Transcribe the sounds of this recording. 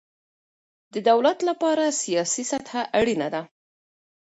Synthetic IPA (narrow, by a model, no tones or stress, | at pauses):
d̪əd̪awlat̪lapɑɾasijɑsisat̪haʔaɽinad̪a